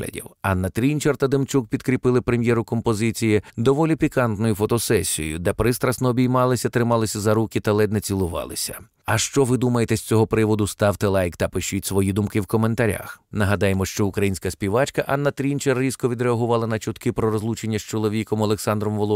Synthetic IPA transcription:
ɐ̰dʲḭwɑnːɐt̪ɾʲint͡ʃert̪ɐd̪ɪmt͡ʃuk̚pʲid̪kɾʲipɪlˠɪpɾemʲjɛɾʊkɔmpɔzɪt͡sʲijid̪ɔʋɔlʲipʲikɑnt̪nɔjʊfɔt̪ɔsɛsʲijjʊ̰d̪ɛpɾɪst̪ɾɐsnɔːbʲijmɑlˠɪsʲɐt̪ɾɪmɑlˠɪsʲɐzɐɾukʲit̪ɐlˠɛd̪nɛt͡sʲilˠʊʋɑ̰lˠɪ̰sʲɐ | ɐʃt͡ʃɔʋɪd̪umɐjet̪ɛsʲt͡sʲɔɦɔpɾɪʋɔd̪ʊst̪ɑwt̪ɪlˠɑjkt̪ɐpɪʃutʲsʋɔjid̪umkɪwkɔme̞nt̪ɐɾʲa̰xnɐɦɐd̪ɑjemɔʃt͡ʃɔʊkɾɐjinʲsʲkɐspʲiʋɑt͡ʃkɐʔɑnːɐt̪ɾʲinʲt͡ʃerːʲiskɔʋʲid̪ɾeɐɦʊʋɑlˠɐnɐt͡ʃʊt̪kɪpɾɔɾɔzlˠut͡ʃenʲːɐst͡ʃɔlˠɔʋʲikɔmɔlˠeksɑnd̪ɾɔmʋɔlˠɔ

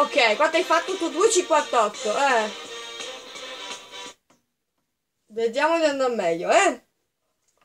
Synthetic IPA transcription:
okːɛjkwat̪ːajfat̪ːot̪ud̪uet͡ʃikwat̪ːɔt̪ːoʔɛ | ved̪jaːmod̪and̪amːɛʎːoɛ

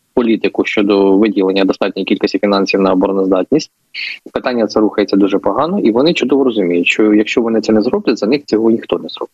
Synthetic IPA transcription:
pɔlʲit̪ɪkʊʃt͡ʃɔd̪ɔʋɪdʲilˠenʲːɐd̪ɔst̪ɑt̚ʲnʲɔjikʲilʲkɪsʲtʲifʲinɑnʲsʲiwnɐɔbɔɾɔnɔzd̪ɑtʲnʲisʲtʲ | pɪt̪ɑnʲːɐt̪sɛɾuxɐjet͡sʲːɐd̪uʐɛpɔɦɑnɔʔiʋɔnɪt͡ʃʊd̪ɔʋɔɾɔzʊmʲijʊtʲʃt͡ʃɔjɐkʃt͡ʃɔʋɔnɪt̪sɛnɛzɾɔblˠɪzɐnɪxt͡sʲɔɦɔnʲixt̪ɔnɛzɾɔ̰bɪ

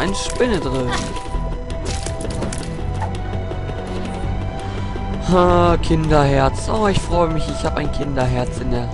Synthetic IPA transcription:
ʔaɪnəʃpɪnədʁyːb̩ | hakʰɪndɐhɛɐt͡sʔo̰ːɪçfʁ̥ɔʏəmɪçɪçhaːbəʔaɪnkʰɪndɐɦɛɐt͡sɪndeːɐ

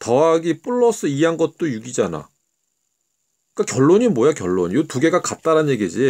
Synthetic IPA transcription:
tʌaɡip͈uɭːʌs͈ɯianɡʌt̚t͈ojuɡid͡ʑana̰ | k͈akjʌɭːoɲimojak̬jʌɭːo̰ɲjotuɡe̞ɡakat̚t͈aɾanje̞ɡid͡ʑi

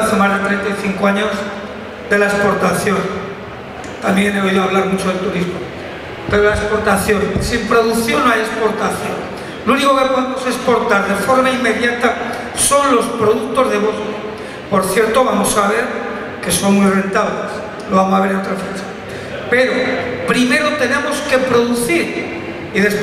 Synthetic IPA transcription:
θemazðet̪ɾent̪ajθiŋkoaɲo̞z | d̪e̞laespo̞ɾt̪aθjo̞n | t̪amje̞ne̞o̞iðoaβ̞laɾmut͡ʃo̞ðe̞lt̪uɾizmo | pe̞ɾolaespo̞ɾt̪aθjo̞nsimpɾo̞ðuθjo̞naje̞spo̞ɾt̪aθjo̞n | luniko̞keoββamosespo̞ɾt̪aɾðe̞fo̞ɾmaimːe̞ðjat̪a | so̞nlo̞spɾo̞ðuk̚t̪o̞zðeβosko | po̞ɾθje̞ɾt̪o̞βamo̞saβ̞e̞ɾ | ke̞so̞ŋmijre̞nt̪aβles | loβamosaβ̞e̞ɾeot̪ɾafɾet͡ʃḁ | pe̞ɾopɾime̞ɾot̪e̞ne̞mo̞ske̞pɾo̞ðuθiɾ | iðe̞s

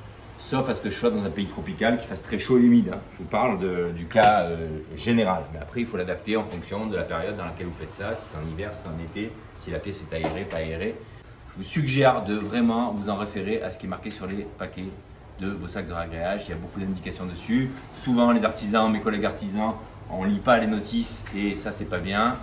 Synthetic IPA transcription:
sɔfasə̥kəʒəswad̪ɑ̃zɛ̃peit̪χɔpikalkʲi̥fast̪χɛʃoeymid̪ɛ̃ʒəvupaʁld̪əd̪ykaøʒeneʁalmɛa̰pχɛilfolad̪apt̪eɑ̃fɔ̃ksjɔ̃d̪əlapeʁjɔd̪̚ːɑ̃lakʲɛlvufɛt̪sasi̥sɛt̪ɛ̃nivɛʁssɛ̥ɛ̃net̪e | silapjɛsɛt̪aeʁepaeʁe | ʒəvusyɡʒɛʁd̪əvʁɛmɑ̃vuzɑ̃ʁefeʁeʔasə̥kʲiɛmaʁkʲesyʁlepakʲɛ | d̪əvosak̚d̪əʁaɡʁeaʒiljabokud̪ɛ̃d̪ikasjɔ̃d̪əsy | suvɑ̃lezaʁt̪izɑ̃mekɔlɛɡaʁt̪izɑ̃ | ɔ̃lipalenɔt̪isesasɛpabjɛ̃

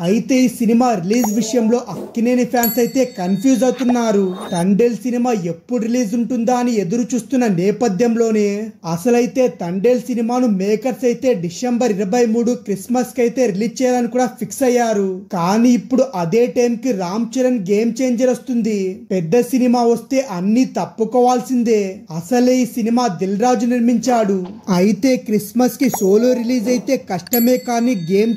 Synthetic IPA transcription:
ɐjit̪e̞ːisinimaːɾiliːd͡ʒʋiʂɐjɐmlo̞ːʔɐkːineːnipʰjaːnsɐjt̪e̞ːkɐnpʰjuːd͡ʒɐwt̪unːaːɾut̪ɐɳɖe̞ːlsinimaːe̞pːuɽɾiliːd͡ʒuɳʈund̪aːɐnie̞d̪uɾut͡ʃuːst̪unːɐnɛːpɐd̪ʱjɐmlo̞ːneːɐsɐlɐjit̪e̞ːt̪ɐɳɖeːlsinimaːnumɛːkɐɾsɐjt̪e̞ːɖisembɐɾiɾɐbɐjmuːɽukɾismɐskɐjt̪e̞ːɾiliːt͡ʃːɛːjaːlɐnikuːɽaːpʰiksɐjːaːɾukaːniːpːuɽuʔɐd̪e̞ːʈɐjmkiɾaːmt͡ʃɐɾɐnɡe̞ːmt͡ʃe̞ːɲd͡ʒɐɾost̪und̪ipɛd̪ːɐsinimaːʋɐst̪e̞ːʔɐnːiːt̪ɐpːukɔːʋaːlsind̪eːɐsɐleːiːsinimaːd̪ilɾaːd͡ʒuniɾmiɲt͡ʃaːɽuɐjit̪e̞ːkɾismɐskiso̞ːloːɾiliːd͡ʒɐjit̪e̞ːkɐʂʈɐmeːkaːniːɡeːm

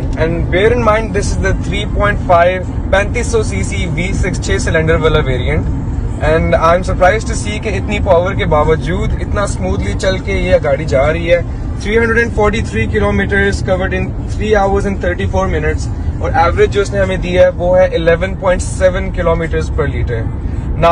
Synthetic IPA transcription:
ɛ̃ɳɖbeːɾɪ̃nmãɪ̃ɳɖ̚d̪ɪsɪzd̪ət̪ʰɾiːpɔ̃ːɪ̃ɳʈfaɪʋ | pɛ̃ːnt̪iːsːɔːsiːsiʋiːsɪkst͡ʃʰeːsɪlɛ̃ɳɖəɾʋɛlaʋeːɾiə̃ɳʈ | ɛ̃ɳɖãːɪ̃msɐɾpɾaːɪzɖʈusiːkeɪt̪nipaːʋəɾkebaːʋəd͡ʒuːd̪ɪt̪nasmuːd̪lit͡ʃɐlkejeɐɡaːɽid͡ʒaːɾɐɦiɦɛː | t̪ʰɾiːɦɐ̃ɳɖɾəɖɛ̃ɳɖfɔːɾʈit̪ʰɾiːkɪloːmiːʈəɾzkɐʋəɾɖɪ̃n | t̪ʰɾiːaːʊəɾzɪ̃nt̪ʰəːɾʈifoːɾmɪnɪʈs | ɔːɾʔɛːʋəɾɪd͡ʒd͡ʒoːɪsnẽɦɐmẽd̪iaɦɛʋoːɦɛʔɪlɛʋə̃npɔ̃ːɪ̃ɳʈsɛʋə̃nkɪloːmiːʈəɾzpɐɾliːʈəɾna

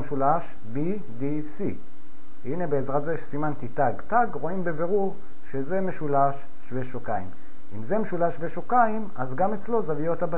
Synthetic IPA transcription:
mʃulaʃ | bi | di | si | inebeːzʁatzeeʃsimant̪itaɡtaɡʁo̞imbebe̞ʁuʁ | ʃe̞ze̞meʃulaʃ | ʃveʃokaim | imze̞meʃulaʃveʃokaimazɡame̞t͡slo̞zavijo̞t̪aba

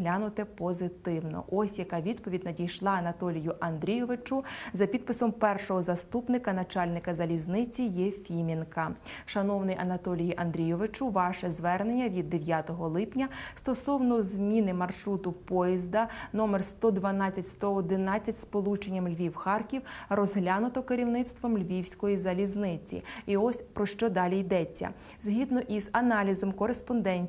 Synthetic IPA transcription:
ɦlʲanʊt̪ɛpɔzɪt̪ɪwnɔ̰ʔɔsʲjɐkɑʋʲid̪pɔʋʲidʲnɐdʲijʃlˠɑɐnɐt̪ɔlʲijʊʔɐnd̪ɾʲijɔʋɪt͡ʃʊzɐpʲid̪̚pɪsɔmpɛrʃɔɦɔzɐst̪upnɪkɐnɐt͡ʃɑlʲnɪkɐzɐlʲiznɪt͡sʲijɛfʲimʲinkɐʃɐnɔwnɪjʔɐnɐt̪ɔlʲijiʔɐnd̪ɾʲijɔʋɪt͡ʃʊʋɑʃɛzʋɛrnenʲːɐʋʲid̪ːeʋʲjat̪ɔɦɔlˠɪpnʲɐst̪ɔsɔwnɔzmʲinɪmɐrʃɾut̪ʊpɔjizd̪ɐnɔmerst̪ɔd̪ʋɐnɑt͡sʲːɐtʲst̪ɔɔd̪ɪnɑt͡sʲːɐtʲspɔlˠut͡ʃenʲːɐmlʲʋʲiwxɑrkʲiwrɔzɦlʲanʊt̪ɔkeɾʲiwnɪt̪st̪ʋɔmlʲʋʲiwsʲkɔjizɐlʲiznɪt͡sʲḭiɔsʲpɾɔʃt͡ʃɔd̪ɑlʲijd̪ɛt͡sʲːɐ̰ | zɦʲid̪nɔʔizɐnɑlʲizɔmkɔɾespɔnd̪ɛnʲtʲ

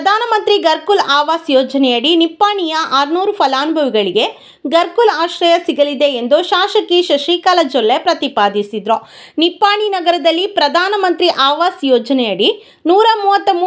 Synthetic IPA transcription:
ɾɐd̪ʱaːnɐmɐnt̪ɾiɡɐɾkulaːʋaːsjɔːd͡ʒɐnɛjɐɽinipːaːɳijɐʔaːɾnuːɾupʰɐlaːnubʱɐʋiɡɐɭiɡe̞ | ɡɐɾkulaːʃɾɐjɐsiɡɐlid̪e̞ːnd̪uʃaːʃɐkiʃɐʃiːkaːlɐd͡ʒɔlːepɾɐt̪ipaːd̪isid̪ɾo | nipːaːɳinɐɡɐɾɐd̪ɐlːipɾɐd̪ʱaːnɐmɐnt̪ɾiʔaːʋaːsjɔːd͡ʒɐnɛjɐɽi | nuːɾɐmuːʋɐt̪ːɐm

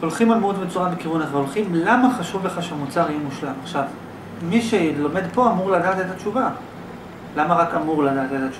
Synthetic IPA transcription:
o̞lχimalmud̪bet͡suʁabekivuneχaolχimlamaχaʃuvleχaʃeamut͡saʁimuʃlamaχʃav | miʃelo̞me̞d̪po̞amuʁlad̪aːt̪et̪at͡ʃuva | lamaʁakamuʁlad̪aːt̪et̪at͡ʃu

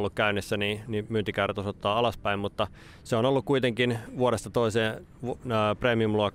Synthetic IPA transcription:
lːukkæynːisːæniːnimyːnt̪ikæyræt̪osot̪ːɑːɑlɑspæimmut̪ːɑ | seonolːukkuit̪eŋkinʋuoɾest̪ɑt̪oiseː | ʋːpreːmiumluok

